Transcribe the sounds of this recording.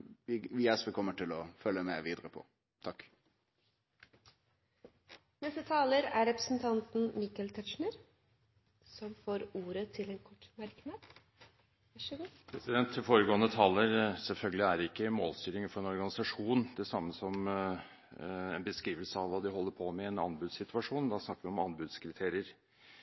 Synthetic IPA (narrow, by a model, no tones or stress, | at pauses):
ʋɪʋɪɛsʋəkʰɔmːəʈʰɪlɔfœlːəmɛ̰ʋiːd̪əɾəpʰɔ̰ | t̪ʰɑkː | nɛst̪ət̪ʰɑːləɾæɾɛpɾəsn̩t̪ʰɑnt̪n̩mɪkəlt̪ʰœʂɳəɾ | sɔmfoːɾuːɾət̪ʰɪlɛnkʰɔʈːmæɾknɑːd̪ | ɡpʰɾɛsɪd̪ɛnt̪ʰːɪlfoːɾəɡoːənət̪ʰɑːlːəɾsɛlfœlɡəlɪæɾɪkːəmo̰ːlst̪yːɾɪŋəfɔɾɛnɔɾɡɑnɪsɑʂuːnd̪ɛsɑmːəsɔm | ɛnbəskɾiːʋəlsəɑʋʋɑːd̪ɪɦɔlːəɾpʰɔmɛɛnɑ̰nbʉd̪ssɪt̪ʉɑʂuːnd̪ɑsnɑkːəɾʋɪɔmɑnbʉd̪skʰɾɪt̪ʰeːɾɪəɾ